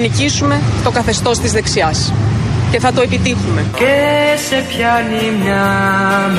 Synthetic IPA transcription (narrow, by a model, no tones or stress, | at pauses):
nicisume̞t̪o̞kɐθe̞st̪o̞st̪izðe̞ksiɐsce̞θɐt̪o̞e̞pit̪ixume̞cesepçɐnimɲɐ